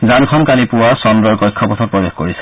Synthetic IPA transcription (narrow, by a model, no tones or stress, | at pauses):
zankʰɔmkalipʊwasɔndɔɹkɔjkʰːɔpɔtʰɔt̚pɹɔbexkoɹisɛ̥